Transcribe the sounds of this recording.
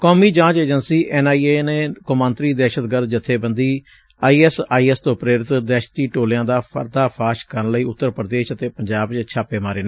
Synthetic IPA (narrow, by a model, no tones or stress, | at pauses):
koːmiːd͡ʒãːt͡ʃeːd͡ʒənsiːʔɛːnaːiːeːneːkʊmãːnt̪ɾiːd̪ɛːʃət̪ɡəɾd̪̚d͡ʒɪt̪ʰːeːbənd̪iː | aːiːɛsaːiːɛst̪õːpɾeːɾɪt̪d̪ɛːʃt̪iːʈoːljãːd̪aːə̰ɾd̪aːpʰaːʃkəɾənləiːʊt̪ːəɾpɾəd̪eːʃət̪eːpəɲd͡ʒaːbt͡ʃt͡ʃʰaːpeːmaːɾeːneː